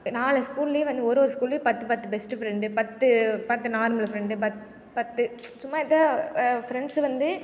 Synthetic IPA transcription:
naːlɐskuːlːiʋɐnd̪ɯɔɾɯɔɾɯskuːlpɐt̪ːɯpɐt̪ːɯbɛsʈɯfɪɾɛɳɖɯpɐt̪ːɯpɐt̪ːɯnaːɾmɐlɐfɾɛɳɖɯpɐt̪ | pɐt̪ːɯsʊmːaːɛðafɪɾɛɳɖsʋɐnd̪ɯ

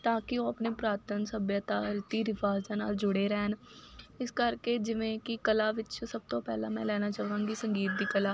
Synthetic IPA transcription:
t̪aːkɪoːəpneːpɾaːɾt̪ənsəbjət̪aːɾɪt̪iːɾɪʋaːzaːnaːld͡ʒʊɽeːɾɛːnɪskəɾkeːd͡ʒɪʋẽːkɪkəlaːʋɪt͡ʃsəb̚t̪õːpɛːlã̰ːmɛ̰̃ːlɛːñaːt͡ʃaːʋãːŋɡiːsəŋɡiːt̪̚d̪iːkəlaː

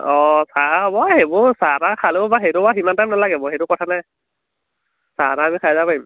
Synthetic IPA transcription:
ɔsabɔhebɔsaatakʰalobaxejtʊbaximantamnalaɡɛbɔxetʊkɔtʰanaj | saataːmikʰazapaim

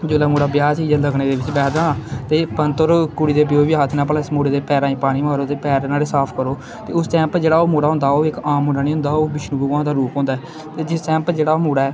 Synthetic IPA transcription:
d͡ʒoːlaːmoːɽaːbjaːsiːd͡ʒaːləɡɽeːd̪eːʋɪt͡ʃbɛːd̪ãːt̪eːpənt̪oɾkʊɽiːd̪eːbɪjoːʋiɦaːt̪ʰnãːpəlãɪsmoːɽeːd̪eːpɛːɾãːĩːpaːɽ̃iːmaːɾoːt̪eːpɛːɾnaːleːsaːpʰkəɾoː | t̪eːʊsʈɛ̃ːmpd͡ʒeːɽaːoːmoːɽaːɦʊ̃nd̪aːoːɪkaːmʊɳɖaːñiːɦʊ̃nd̪aːoːbɪʃnuːbəkãːd̪aːɾuːpɦõːnd̪aɛː | t̪eːd͡ʒɪsʈɛ̃ːmpd͡ʒeːɽaːoːmuːɽaːɛː

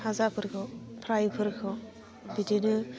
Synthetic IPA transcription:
hazapʰɯɾkʰɯpʰɾajpʰɯɾkʰɯ | bitidɯ

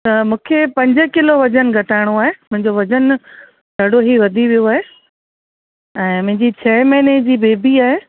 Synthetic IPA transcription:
t̪ɐmũːkʰepɐ̃ɲd͡ʑʊkɪloʋɐd͡ʑənɡʱɐʈʰaːɪɽ̃oaːɦemʊ̃ɦɪ̃ɲd͡ʑoʋɐd͡ʑən | d̪ʱɐɽoɦiʋɐd̪ʱiʋijoaːɦeː | ɛ̃ːmʊ̃ɦɪ̃ɲd͡ʑit͡ɕʰɐmɐned͡ʑiːbeːbʱiaːɦeː

